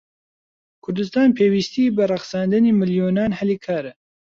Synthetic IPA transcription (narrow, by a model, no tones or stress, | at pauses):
kʰʊɾd̪ɨst̪ɑːnpʰeːwiːst̪iːbɨrɑxsɑːnd̪ɨniːmɨljoːnɑːnhɛliːkʰaːɾɛ